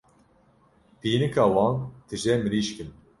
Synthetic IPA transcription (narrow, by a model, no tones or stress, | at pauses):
piːnɨkʰɑːwɑːnt̪ʰɨʒɛmɨɾiːʃkɨn